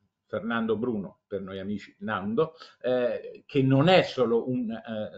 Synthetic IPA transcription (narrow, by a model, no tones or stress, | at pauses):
fernand̪obɾuːnopernojamiːt͡ʃi̥nand̪o | kʰenːonɛsːoːloʔun